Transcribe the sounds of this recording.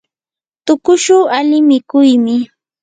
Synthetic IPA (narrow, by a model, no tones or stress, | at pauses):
t̪ʊkʊʃʊːalɪmɪkʊjmɪ